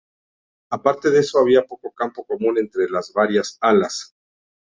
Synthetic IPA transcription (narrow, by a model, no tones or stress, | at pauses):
apaɾt̪e̞ðe̞so̞aβ̞iapo̞ko̞kampo̞ko̞mũne̞nt̪ɾe̞lazβaɾjasalas